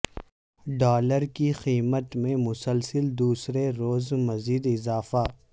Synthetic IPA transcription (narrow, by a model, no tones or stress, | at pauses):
ɖɔːləɾkixiːmət̪mẽmʊsəlsəld̪uːsɾeɾoːzmɐziːd̪ɪzaːfa